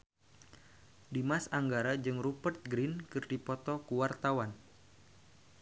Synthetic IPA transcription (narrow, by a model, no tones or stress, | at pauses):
dimasaŋɡaɾad͡ʒɨŋrupərt̪̚ɡɾinkɨrdipɔt̪ɔkuwart̪awan